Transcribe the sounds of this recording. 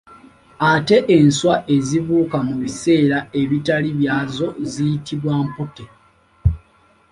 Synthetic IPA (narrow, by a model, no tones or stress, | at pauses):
ate̞ʔenswaʔe̞zivuːkamuβise̞ːɾae̞βitaliβjaːzo̞zijitʰiβwaːmpote